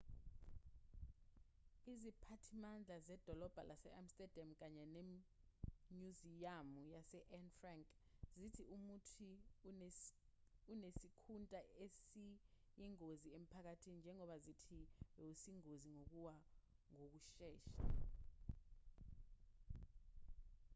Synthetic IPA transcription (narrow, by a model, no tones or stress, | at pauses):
izipʰatʰimand͡ɮʱazɛd̥ʱɔlɔb̥ʱa̰lʔasɛʔamstʼɛd̥ʱiamk̬ʼaɲɛne | ɲuzijamujasɛʔɛnfraŋkʼzitʰiumutʰi | unesikʰuntʼaesi | jiŋoziem̩pʰak̬atʰinind͡ʒʱɛŋɔɓazitʰiɓɛusiŋoziŋok̬uwa | ŋok̬uʃɛːʃa